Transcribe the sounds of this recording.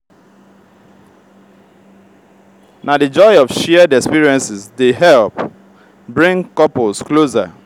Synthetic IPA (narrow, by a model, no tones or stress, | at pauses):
nadɨd͡ʒɔɪɔfʃɛdɛkspiɹiɛ̃nsɪsdeɦɛlp | bɹĩŋkɔpolskloza̰